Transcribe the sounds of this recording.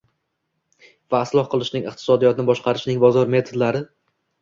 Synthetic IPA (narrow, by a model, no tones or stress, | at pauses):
vaːslˠɒhqʰɨlˠɪʃnɪŋɨχt̪ʰɪ̥sɒd̪ijɒt̪ʰɪnɪbɒʃqʰɑɾɪʃnɪŋbɒzɒɾme̞t̪ʰod̪laɾɪ